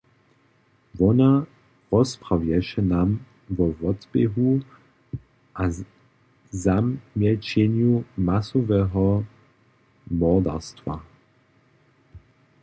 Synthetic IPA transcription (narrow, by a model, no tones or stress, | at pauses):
vɔna | ʁɔspʁawjɛʃɛnam | vɔvɔtbeɦu | ʔa | zamjɛt͡ɕenjumasɔvɛɦɔ | mɔʁda̰stva̰